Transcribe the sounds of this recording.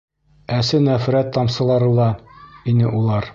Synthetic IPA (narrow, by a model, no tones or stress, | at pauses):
æsɘnæfɾæt̪ːɒmsɤ̆lˠɑɾɤ̆lˠɑinɘʔulˠɑɾ